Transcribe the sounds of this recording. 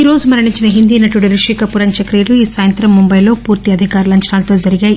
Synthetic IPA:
iɾo̞ːd͡ʒumɐɾɐɳiɲt͡ʃinɐɦind̪iːnɐʈuɽuɾuʂiːkɐpuɾɐɲt͡ʃɐkɾijɐluiːsaːjɐnt̪ɾɐmːumbɐjlo̞ːpuːɾt̪iɐd̪ʱikaːɾulɐɲt͡ʃɐɳaːlɐt̪o̞ːd͡ʒɐɾiɡaːji

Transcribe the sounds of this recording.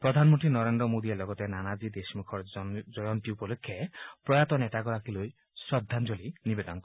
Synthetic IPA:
pɾɔd̪ʱanmɔnʈ̪inɔɾend̪ɾɔmod̪ielɔɡɔt̪enanad͡ʒid̪esmukʰɔɾd͡ʒɔjɔnt̪iupɔlokʰːjapɾɔjat̪ɔnet̪aɡɔɾakiloj | sɔd̪ʱːand͡ʒolinibed̪ɔnɔk

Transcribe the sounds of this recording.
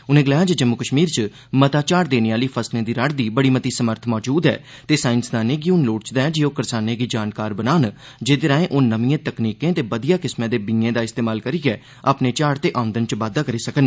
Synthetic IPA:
ʊnẽːɡəlaːjaːd͡ʒed͡ʒəmːʊkəʃmiːɾt͡ʃ | mət̪aːt͡ʃaːɾd̪eːneːaːliːpʰəslẽːd̪iːɾəɽd̪iːbəɽiːmət̪iːsəməɾt̪ʰmɔːd͡ʒuːd̪ɛ̰ː | t̪eːsaːɪnsd̪aːneːɡiʊnloːɽt͡ʃd̪aːɛːd͡ʒioːkəɾsaːnẽːɡiːd͡ʒaːnkaːɾbənaːn | d͡ʒeːd̪eɾãːẽːʔoːnəmiːẽːt̪əkniːkẽːt̪eːbəd̪ɪjaːkɪsmẽːd̪eːbɪ̃ẽːd̪aːɪst̪eːmaːlkəɾiːɡɛː | aːpneːt͡ʃaːɽt̪eːʔaːʊ̃nd̪ənt͡ʃʋaːd̪aːkəɾiːsəkən

